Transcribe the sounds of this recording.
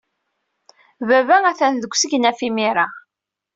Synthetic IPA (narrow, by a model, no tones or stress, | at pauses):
vævææθænðəɡʷsəʝnæfimiɾa